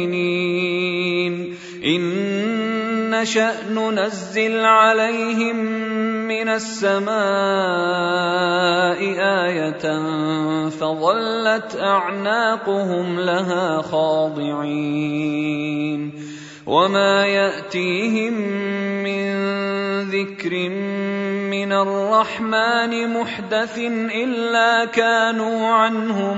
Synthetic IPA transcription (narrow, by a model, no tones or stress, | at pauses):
niː | n | ʔɪn | aʃaʔnʊnazːɪlʕalajɦɪmː | ɪnasːamaː | ʔɪʔaːjat̪nfɑðˤɑlːat̪ʔaʕnaːqʊɦʊmlaɦaːxɑːd̪ˤɨʕi | n | wʔamaːjaʔt̪iːɦɪmː | ɪnðɪkɾɪmmɪnarˤːɑħmaːnɪmʊħd̪aθnʔɪlːaːkaːnuːʕanhʊ